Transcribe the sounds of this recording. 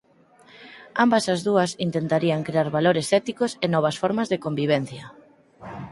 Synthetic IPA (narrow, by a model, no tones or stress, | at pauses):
ambɐsazðuɐsint̪ent̪aɾiaŋkɾeaɾβaloɾesɛt̪ikosenɔβ̞ɐsfɔɾmɐzðekombiβ̞ɛn̟θjɐ